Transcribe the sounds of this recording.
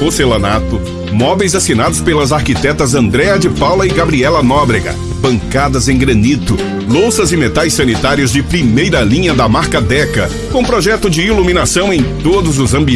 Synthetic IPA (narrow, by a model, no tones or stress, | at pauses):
oselɐnat̪ʊ | mɔvejzasinad̪ʊspelɐzaɾkit̪ɛt̪ɐzɐ̃nd̪ɾɛɐd͡ʒɪpawlɐɪɡabɾiɛlɐnɔbɾeɡɐ̰ | bɐ̃ŋkad̪ɐzẽj̃ɡɾɐ̃nit̪ʊ | lowsɐzɪmet̪ajsːɐnit̪aɾiʊzd͡ʒɪpɾimejɾɐlĩɲɐd̪ɐmaɾkɐd̪ɛkɐ | kõpɾɔʒɛt̪ʊd͡ʒɪiluminasɐ̃w̃ẽj̃t̪od̪ʊzʊzɐ̃mbi